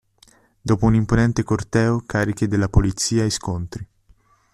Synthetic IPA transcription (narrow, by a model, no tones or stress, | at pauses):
d̪oːpounimponɛnt̪ekort̪ɛːokaːɾik̟ed̪elːapolit̪sːiːaiskont̪ɾi